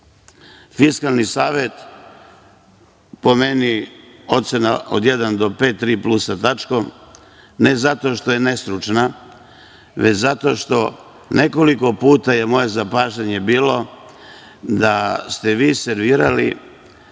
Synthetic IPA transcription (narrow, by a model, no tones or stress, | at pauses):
fiskalˠnisaːʋe̞t̪ | po̞me̞nio̞t̪se̞naʔo̰d̪jed̪and̪o̞pe̞ːt̪ːɾiːplusat̪at͡ʃko̞m | nezat̪o̞ʃt̪o̞je̞ne̞st̪ɾut͡ʃna | ʋet͡ɕzat̪o̞ʃt̪o̞ | nʔe̞ko̞liko̞puːt̪aje̞mo̞je̞zapaːʒeɲe̞biːlo̞ | d̪ast̪e̞ʋiːseɾʋiːɾalḭ